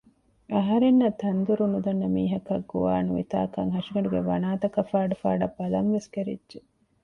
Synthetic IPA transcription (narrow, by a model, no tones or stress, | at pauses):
ɐɦɐɾenːɐt̪ːɐnd̪uɾunud̪ɐnːɐmiːɦɐkɐɡːuʋaːnuʋit̪a̰ːkɐŋɦɐʂiɡɐɳɖuɡeʋɐ̰naːt̪ɐkɐfaːɖɐfaːɖɐbɐlɐŋʋeskeɾḭdʒe